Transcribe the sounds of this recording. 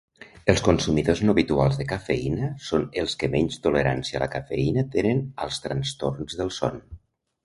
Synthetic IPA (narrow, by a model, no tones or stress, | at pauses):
əlˠskunsumiðoznoβit̪ualˠzðəkafeinəsonelˠskəmɛɲʲt͡ʃt̪oləɾa̰nsiələ̰kafḛinət̪enənəlˠst̪ɾənst̪oɾnzðəlˠsɔ̰n